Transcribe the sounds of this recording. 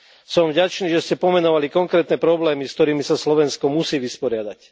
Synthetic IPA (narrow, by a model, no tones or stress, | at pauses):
sɔɱvɟat͡ʃniːʒɛscɛpɔmɛnɔʋalikɔŋkɾɛːt̪nɛpɾɔblɛːmiskt̪ɔɾiːmisaslɔʋɛnskɔmusiːʋispɔɾɪad̪ac